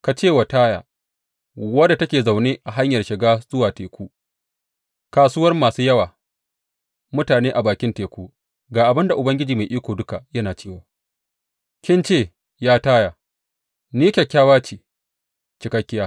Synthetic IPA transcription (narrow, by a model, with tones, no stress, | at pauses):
ka˨t͡ʃeː˦˨wa˨taː˦ja̰ː˨ | wɐ˦da˨tɐ˦kʲeː˨za˨wneː˦ʔa˨ɦa˦ɲjɐ˨rʃɪ˨ɡaː˦z̥ʊ˦waː˨teː˨kʷuː˦ | kaː˨sʊː˦wɐ˦rmaː˨suː˦jɐ˦waː˨ | mʊ˦taː˨neː˦ʔa˨baː˨kʲɪ˦nteː˨kʷuː˦ | ɡaː˨ʔa˨bɪ˦nda˨ʔʊ˨bɐ˦ŋɡʲɪ˦d͡ʒiː˨ma˨ʔiː˦kʷoː˨dʊ˦ka˨jɐ˦naː˨t͡ʃeː˦˨waː˨ | kʲɪ˦nt͡ʃeː˦˨ | jaː˦taː˦jaː˨ | niː˦kʲɐ˨kʲːaː˦waː˦t͡ʃiː˨ | t͡ʃɪ˨kɐ˦kʲːɪ˦jaː˦